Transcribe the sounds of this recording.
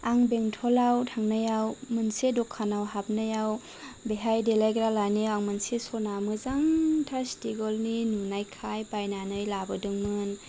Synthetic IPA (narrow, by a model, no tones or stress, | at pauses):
aŋbeŋtʰɔlawtʰaŋnajawmɯnsedɔkʰːanawɦap̚najaw | beɦajdelajɡɾalajnɯjaŋmɯnsesɔnamɯzaŋtʰastiɡɔlninunajkʰajpajnanɯjlabɯdɯŋmɯn